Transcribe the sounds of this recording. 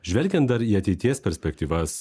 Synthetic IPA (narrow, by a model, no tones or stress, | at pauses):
ʒʲʋʲɛlʲɡʲɛnt̪̚d̪ɐɾiːɐt̪ʲɛɪt̪ʲiɛspʲɛɾʲsʲpʲɛkt̪ʲiːʋɐs